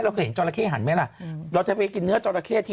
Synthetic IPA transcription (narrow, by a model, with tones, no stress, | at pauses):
ɾa˧wkʰːɦe˨˦t͡ɕɔː˧ɾla˧kʰeː˥˩ɦa˨˩˦nma˦˥jla˨˩ɾa˧wt͡ɕa˨˩pa˧jki˧nːɯ˦˥ɐt͡ɕɔː˧la˧kʰeː˥˩t̪ʰiː˦˧